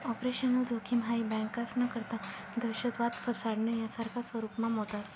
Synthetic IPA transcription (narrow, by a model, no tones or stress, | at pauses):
ɔpɾeɕənəd͡zokʰimɦaibɛ̃ŋkasnəkəɾt̪a | d̪əɕət̪ʋat̪fʰəsaɽnəjasaɾkʰasʋəɾupmamɦot̪as